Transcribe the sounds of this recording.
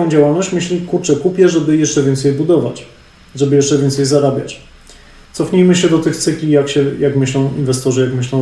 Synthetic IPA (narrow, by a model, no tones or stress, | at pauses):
ɔ̃w̃d͡ʑawalnɔɕt͡ɕmɘɕlʲikuɾt͡ʂɛkupʲjɛʐɛbɘjɛʂt͡ʂɛvʲɛnt̪sɛjbud̪ɔva̰t͡ɕ | ʐɛbɘjɛʂt͡ʂɛvʲɛnt̪sɛjzaɾabʲja̰t͡ɕ | t̪sɔfɲijmɘɕɛd̪ɔt̪ɘxt̪sɘkʲijakɕɛjakmɘɕlɔ̃w̃invɛst̪ɔʐɘjakmɘɕlɔ̃w̃